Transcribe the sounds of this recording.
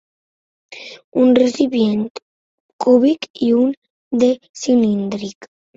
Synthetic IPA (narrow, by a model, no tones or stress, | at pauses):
unresipjent̪ | kuβikiun | d̪e | sinind̪ɾik